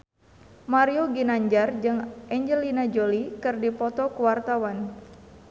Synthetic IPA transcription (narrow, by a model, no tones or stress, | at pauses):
maɾioɡinaɲd͡ʒard͡ʒɨŋʔɛɲd͡ʒəlinad͡ʒolikɨrdipɔt̪ɔkuwart̪awan